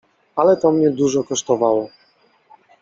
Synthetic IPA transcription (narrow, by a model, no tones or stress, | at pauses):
alɛt̪ɔmɲɛd̪uʐɔkɔʂt̪ɔvawɔ